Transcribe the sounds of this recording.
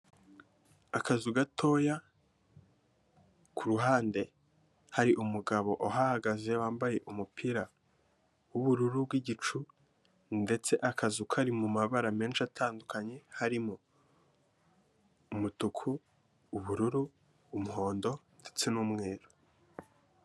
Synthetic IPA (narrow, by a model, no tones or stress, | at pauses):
akazuɡatʰo̞ja | kʰuɾuɦaːnde̞ | haɾiʔumuɡaβo̞ʔoɦahaɡaze̞waːmbaje̞ʔumupʰiɾa | wuβuɾuɾubɡiɟit͡ʃu | nde̞t͡se̞ʔakazukaɾimumaβaɾame̞ːnʃatʰaːndukaɲe̞haɾimo | mutukʰuː | βuɾuɾuː | muho̞ːndo̞nde̞t͡se̞nuːmŋeːɾo